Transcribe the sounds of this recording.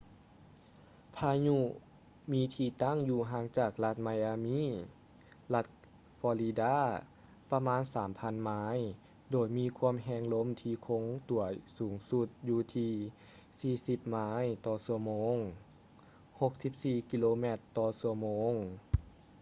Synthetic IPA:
pʰaː˧ɲu˧˥ | miː˧˥t̪ʰiː˧˩t̪a˧˥˨ŋjuː˧˩ɦaː˧˥ŋt͡ɕaː˨˩k̚la˧t̪̚ma˧jaː˧miː˧˥˨ | la˧˥t̪̚ | fɔː˧li˧daː˧˥˩ | pa˧maː˧˥˨nsaː˩˦mpʰa˧˥˨nmaː˧˥j | doː˨˩jmiː˧˥˨kʰu˧˥ə˨mɦɛː˧ŋlo˧˥˨mt̪ʰiː˧kʰo˧˥ŋt̪u˨˩˦ɐsuː˩˦ŋsu˧˩t̪̚juː˧˩t̪ʰiː˧ | siː˧˩si˧˩p̚maː˧˥jt̪ɔː˧˩səmoː˧˥ŋ | ho˧k̚si˧˦p̚siː˧˩ki˧˥loː˧mɛ˧˩t̪ːɔː˧˩su˧əmoː˧˥ŋ

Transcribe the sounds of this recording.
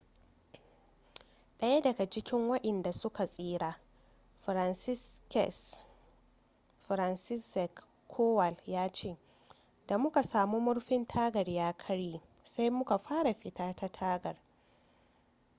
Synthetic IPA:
ɗɐ˦ja˦dɐ˨ɡa˨d͡ʒɪ˦kʲɪ˦ŋwɐ˦ɗɛ˨nda˨sʊ˦ka˨sʼiː˦ɾaː˦ | ɸɾa˨nsɪ˦kɛ̰˨s | ɸɾa˨nsɪ˦sɛ˨kʰː | oː˦wa˨ljaː˦t͡ʃeː˦˨ | da˨mʊ˦ka˨saː˨mu˦mʊ˦ɽɸɪ˦ntʰaː˦ɡɐ˨rjaː˦kʰɐ˦ɽjiː˨ | sa˦jmʊ˦ka˨ɸaː˦ɽa˨ɸɪ˨tʰaː˦ta˦tʰaː˦ɡɐ˨r

